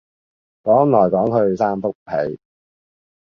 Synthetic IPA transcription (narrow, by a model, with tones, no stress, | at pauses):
kɔː˨˥ŋlɔː˨˩jkɔː˨˥ŋɦɵ˧ɥsaː˥mfʊ˥k̚pʰe˨˥j